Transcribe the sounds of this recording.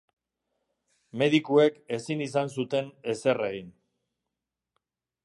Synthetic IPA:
me̞ðikue̞ke̞sinisans̬ut̪e̞ne̞se̞reɣin

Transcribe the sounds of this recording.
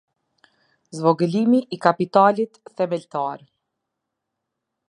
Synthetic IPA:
zvɔɡəlimiʔːkapit̪alit̪θɛmɛlt̪aɾ

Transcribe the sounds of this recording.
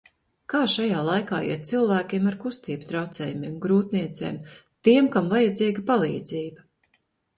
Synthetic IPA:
kaːʃajaːlˠajka̰ːḭt̪t̪silˠvæːkʲiɛmaɾkust̪iːbt̪ɾawt̪sɛ̰ːjumiɛmɡɾuːt̪niɛt̪seːm | t̪iɛmkamvajad̪ziːɡapalˠḭːd̪ziːbɐ

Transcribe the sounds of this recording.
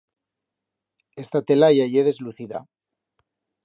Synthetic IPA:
e̞st̪at̪e̞lajaʝeðe̞zluθiða̰

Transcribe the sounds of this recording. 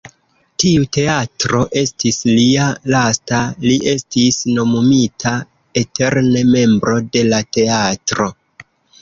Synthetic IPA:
tiute̞atɾo̞ʔe̞stislialastaliʔe̞stisno̞mumitʰa | e̞tʰe̞ɾne̞me̞mbɾo̞de̞late̞atɾo̞

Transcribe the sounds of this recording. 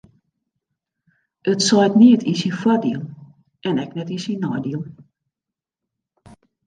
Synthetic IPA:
ʔətsɔjtniətʰisinfwɔdḭəlˠ | ʔɛnɛknɛtisinːɔjdiəlˠ

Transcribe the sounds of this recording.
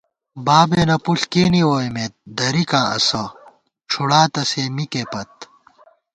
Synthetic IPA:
baːbeːnɐpuɬkeːniwoːjmet̪̚d̪ɐɾikãːʔɐ̰sɐ | ʈ͡ʂʰuɽaːt̪ɐseːmikeːpɐt̪̚

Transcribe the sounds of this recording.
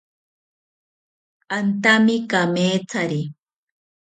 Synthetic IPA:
ant̪amɪkameːt͡saɾi

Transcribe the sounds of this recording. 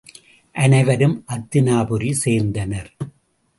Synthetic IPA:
ʔɐnɐɪʋɐɾɯmʔɐt̪ːɪnaːbɯɾiseːɾnd̪ɐnɐɾ

